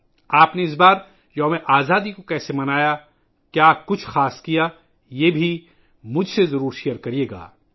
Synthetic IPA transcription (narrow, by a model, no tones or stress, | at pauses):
aːpneɪs̬baːɾ | jɐɦmẽʔaːzaːd̪ikokɛːsemɐnaːja | kjaːkʊt͡ʃʰxaːskijaː | jeːbʱi | mʊd͡ʒʱsezɐɾuːɾʃijəɾkɐɾijeːɡa̰ː